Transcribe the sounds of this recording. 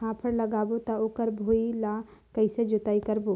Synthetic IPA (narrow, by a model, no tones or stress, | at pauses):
ãpʰəɾləɡaːbot̪ɔoːkəɾbʱoilakəɪsed͡ʒot̪aikəɾbo